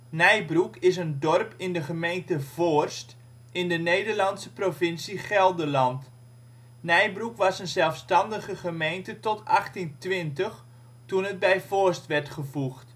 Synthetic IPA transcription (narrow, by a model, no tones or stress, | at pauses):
nɛjbrukɪs̬əndɔrpɪndəχəmejntəvorst | ɪndənejdərlɑnsəprovɪnsiχɛlˠdəlɑnt | nɛjbrukʋɑsənzɛlˠfstɑndəχəχəmejntətɔtɑχtintʋɪntəχ | tunɦət̚bɛjvorstʋɛrtχəvuχt